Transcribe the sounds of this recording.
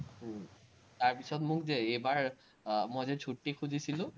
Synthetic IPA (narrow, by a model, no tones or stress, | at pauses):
taɹpisɔtmʊkzɛejbaɹ | mɔjzɛt͡ʃʰutːikʰuzisilʊ̃